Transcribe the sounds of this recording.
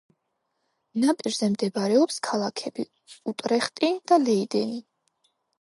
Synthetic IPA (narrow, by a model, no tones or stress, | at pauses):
napʼiɾzɛmd̪ɛbaɾɛɔpskʰalˠakʰɛbi | ut̪ʼɾɛχt̪ʼid̪̥alɛid̪ɛni